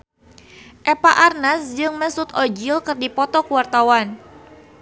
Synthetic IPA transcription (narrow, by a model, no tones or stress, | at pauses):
ʔɛpaʔarnasd͡ʒɨŋməsut̪ɔd͡ʒilkɨrdipɔt̪ɔkuwart̪awan